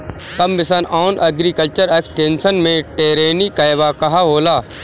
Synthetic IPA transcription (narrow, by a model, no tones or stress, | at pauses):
t̪ɐmbɪsənaːnʔɐɡɾikəlt͡ʃəɾeːksʈeːnsənmẽʈeːɾeːnikaɪbakɐɦaɦoːlaː